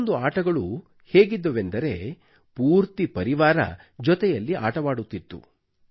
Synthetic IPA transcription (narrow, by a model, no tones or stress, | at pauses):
nd̪uaːʈɐɡɐɭu | he̞ːɡid̪ːɐʋend̪ɐɾe̞̰ | puːɾt̪ipɐɾiʋaːɾɐ̰ | d͡ʒɔt̪ɛjɐlːiʔaːʈɐʋaːɽut̪ːit̪ːṵ